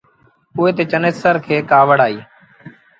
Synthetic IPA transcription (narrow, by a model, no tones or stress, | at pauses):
ʊːeːt̪eːt͡ʃəneːsəɾkʰeːkaːʋəɽaːiː